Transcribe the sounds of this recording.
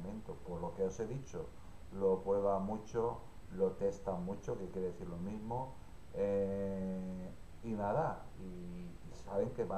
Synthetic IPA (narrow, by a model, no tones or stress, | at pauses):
mẽnt̪opoɾlo̞keose̞ðit͡ʃo̞ | lo̞pweβ̞amut͡ʃo | lot̪e̞st̪amut͡ʃo̞kekjeɾeeθiɾlomizmo | e | inaða | iː | saβe̞ŋke̞βa